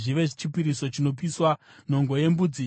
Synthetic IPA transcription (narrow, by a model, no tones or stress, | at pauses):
ʐiʋe̞ʐit͡ʃipiɾiso̞t͡ʃino̞p̬iswa | no̞ŋɡo̞je̞mbud͡zi